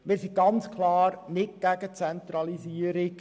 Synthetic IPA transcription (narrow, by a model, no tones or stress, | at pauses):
mɪːɾsiɡɑnt͡skʰlɑːɾnɪtɡ̥æɡət͡sɛnt̪ɾɑlisiəɾɪk